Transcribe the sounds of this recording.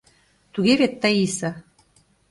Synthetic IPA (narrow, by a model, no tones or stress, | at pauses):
t̪uɣeβet̪ːəisə